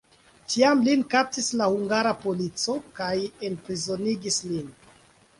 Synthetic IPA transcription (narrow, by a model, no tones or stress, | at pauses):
tʰiamlinkap̚tislahuŋɡaɾapo̞lit͡so̞kaje̞npɾizo̞niɡislin